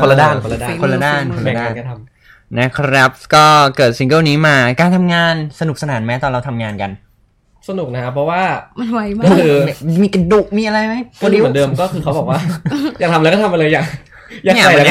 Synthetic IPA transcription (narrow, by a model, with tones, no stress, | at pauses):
kʰo˧la˧daː˥˩ko˧la˧aː˥˩kʰo˧lːa˧daː˥˩nkʰo˧la˧daː˧˥˩k̪ːʰa˧m | nɛ˦˥kʰɾɛ˦˥p̚kɔː˥˩kɤː˨˩t̪̚si˧ŋkɤː˥˩wniː˦˥maː˧kaː˧nt̪ʰa˧mŋaː˧nsa˧nu˨˩k̚sa˧naː˩˦nma˧˦˥t̪ɔː˨˩ɾa˧wt̪ʰa˧mŋaː˧nka˧n | sa˧nu˨˩k̚na˦˥kʰa˦˥pʰɾɔ˦˥waː˥˩˧ | ɔ˥˧˩kʰɯː˧˩miː˧ka˧du˨˩k̚miː˧ʔa˧ɾa˧jma˦˥jkʰo˥˧i˧˦˥ndɤː˧mkɔː˥˩kʰɯː˧kʰa˦˥wbɔ˨˩k̚waː˥˩jaː˨˩t̪a˧mlːkɔ˥t̪ʰa˧mʔa˧lɤː˧jaː˨˩ | jaː˨˩˨a˧˩jaː˨˩˦